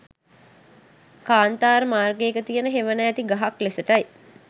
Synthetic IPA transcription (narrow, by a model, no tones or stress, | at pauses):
kaːnt̪aːɾmaːrɡeːkət̪ijənəɦeʋənajːt̪iɡaɦaklesəʈaj